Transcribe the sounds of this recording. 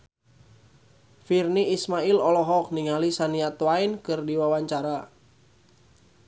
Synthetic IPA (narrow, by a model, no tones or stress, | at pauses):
firniismailɔlɔɦɔk̚niŋalisaniat̪wainkɨrdiwawaɲt͡ʃaɾa